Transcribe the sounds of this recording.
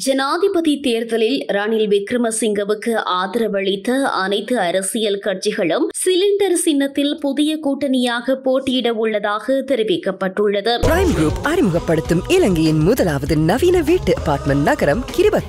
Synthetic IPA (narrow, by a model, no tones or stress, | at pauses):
d͡ʒɛnaːðɪpɐðit̪eːɾðɐlɪlɾaːnɪlʋɪkɾɯmɐsɪŋɡɐʋɯkːɯʔaːðɪɾɐʋɐɭɪt̪ːɐɐ̰nɐɪt̪ːɯɐɾɐsɪjɐlkɐʈt͡ʃɪɣɐɭɯmsɪlɪɳɖɐɾsɪnːɐt̪ːɪlpʊðɪjɐkuːʈːɐnɪjaːɣɐpoːʈːɪjɪɽɐʋʊɭːɐðaːɣɐt̪ɪɾɪʋɪkːɐpːɐʈːɯɭːɐðɯpɾɐːɪmɡɾuːpɐɾɪmɯɣɐpːɐɽɯt̪ːɯmɪlɐŋɡɐjɪnmʊðɐlaːʋɐðɯnɐʋiːnɐʋiːʈːɯɐpːaːɾʈmɐɳnɐɣɐɾɐmkɪɾɪʋɐ